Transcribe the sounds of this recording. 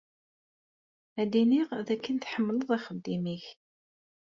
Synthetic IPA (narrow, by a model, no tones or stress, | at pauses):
æd̪iniʁðækːənt̪ħəmːələðˤæχəd̪ːimiç